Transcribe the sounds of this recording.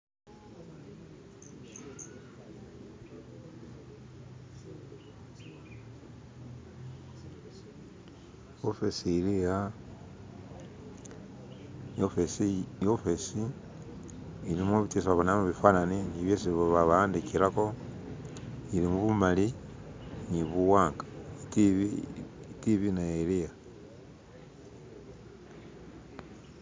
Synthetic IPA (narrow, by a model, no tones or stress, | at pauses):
ofesiːlija | jofesijofesi | ilimoβitis̬aβanamuβifaːnaniniβjesiβoβaβaaːndikilako̞ | ilimuβumali | niβuwaːŋɡḁitβ | tiβinaelija